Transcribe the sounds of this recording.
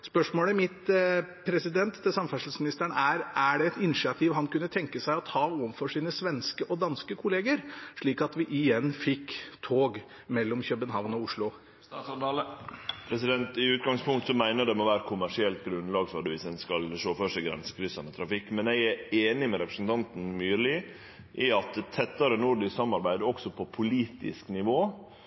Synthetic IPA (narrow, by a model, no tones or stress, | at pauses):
spœʂmoːləmɪt̪pʰɾɛsɪd̪ɛnt̪d̪ɛsɑmfæʂl̩smɪnɪst̪æɳəæɾæɖɛɛt̪ɪnɪʂɪɑt̪ʰɪʋɦɑnkʉnːət̪ʰɛŋkəsæɪɔt̪ʰɑːoːʋɑnfɔʂiːnəsʋɛnskəʔɔd̪ɑnskəkʰʊleːɡəɾʂɭiːkɑt̪ʋɪʔɪjɛnːfɪkːt̪ʰoːɡ | mɛlːɔmçœbənɦɑʋnɔʊʂɭʊ | pʰɾɛsɪd̪ɛnt̪ɪʉːt̪̚ɡɑŋspʰʊŋkt̪sɔmæɪnəɖ̪ɛmoʋæːɾəkʰʊmæʂɪɛlt̪ɡɾʉnlɑːɡføɖ̪əʋɪsɛnskɑlʂoːfœʂɛɡɾɛ̰nsə̥kʰɾʏsɑnət̪ʰɾɑfɪkːmɛnɛɡæeːnɪmɛɾɛpɾə̥sn̩t̪ʰɑnt̪n̩myːlɪ | ʔɪɑt̪̚t̪ʰːɛt̪ːɑɾənuɾɖɪsɑmːɑɾbæɪd̪ɔksɔpʰɔpʰʊliːt̪ɪ̰sknɪʋoː